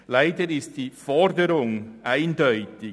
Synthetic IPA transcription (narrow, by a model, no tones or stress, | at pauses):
laɪdəɾɪst̚d̥iːfɔɾdəɾʊŋʔaɪndœʏtɪ